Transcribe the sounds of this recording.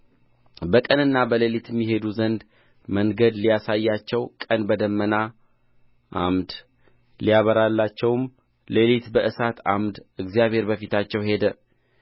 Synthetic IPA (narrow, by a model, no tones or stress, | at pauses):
bəkʼənɨnːabəlelit̪mːiɦe̞d̪uzənd̪ | məŋɡəd̪lijasajːat͡ʃːɛwkʼənbəd̪əmːəna | ʔa̰md̪ | lijaβəɾalːat͡ʃːɛwm | lelit̪bəʔɨsat̪ʰa̰md̪ɨɡzijaβhe̞ɾbəfit̪ʰat͡ʃːɛwhe̞d̪ə